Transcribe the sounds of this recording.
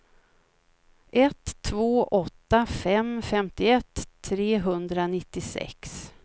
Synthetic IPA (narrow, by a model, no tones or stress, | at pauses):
ʔɛt̪ʰːvoːʔɔt̪ːafɛmfɛmt̪ɪɛt̪ʰːɾeːɦɵnd̪ɾanɪt̪ːɪsɛ̰ks